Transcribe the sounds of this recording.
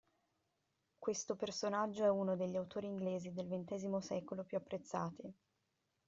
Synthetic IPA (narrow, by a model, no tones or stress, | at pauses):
kwest̪opersonad͡ʒːoɛunod̪eʎːiawt̪oːɾiːŋɡleːzid̪elvent̪ɛːzimosɛːkolopjuapːɾet̪sːaːt̪i